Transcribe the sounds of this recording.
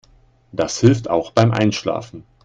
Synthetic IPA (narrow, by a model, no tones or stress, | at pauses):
d̥ashɪlfta̰ʊxb̥aɪmʔa̰ɪnʃla̰ːfn̩